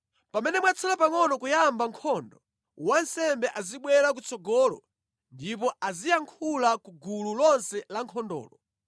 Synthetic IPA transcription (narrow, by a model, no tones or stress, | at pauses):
pamɛnɛmwat͡sʰalapaŋɔnɔkujambaŋkʰɔndɔ | wansɛmbɛʔaziɓwɛɾak̬ut͡sɔɡɔːlɔ̰ | ndip̬ɔʔazijaŋkʰulakuɡululɔnsɛlaŋkʰɔndɔ̰ːlɔ